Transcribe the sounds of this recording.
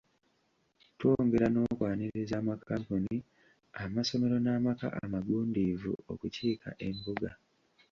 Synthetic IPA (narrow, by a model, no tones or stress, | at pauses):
two̞ŋɡe̞ɾano̞kwaːniɾezaːmakʰaːmpuni | amaso̞me̞ɾo̞naːmaka̰ʔa̰maɡuːndivṵo̞̰kuciːka̰ʔe̞mbuɡa